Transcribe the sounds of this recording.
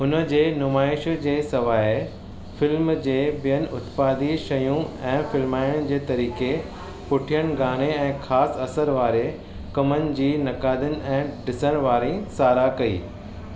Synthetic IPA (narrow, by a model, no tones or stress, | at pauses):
ʊnə̆d͡ʑeːnʊmaːɪʃd͡ʑeːsɐʋaːe | fɪlmd͡ʑeːbijənɪ̆ʊt̪paːd̪iʃɐjũɛ̃ːfɪlmaːɪəɽ̃d͡ʑeːt̪ɐɾiːke | pʊʈʰijəɽ̃ɡaːɽ̃eɛ̃ːxʰaːsɐsəɾʋaːɾe | kɐmənɪ̆d͡ʑiːnɐkaːd̪ənɪ̆ɛ̃ːɖɪsəɽ̃ʋaːɾĩsaːɾakɐḭː